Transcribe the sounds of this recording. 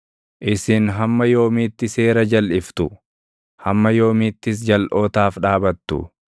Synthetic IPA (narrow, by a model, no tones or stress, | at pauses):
ʔɪsɪnɦɐmːɐjo̞ːmiːt̪ːɪse̞ːɾɐd͡ʒɐlʔɪft̪ʊ | hɐmːɐjo̞ːmɪːt̪ːɪs̬d͡ʒɐlʔo̞ːt̪aːfᶑaːbɐt̪ːʊ̰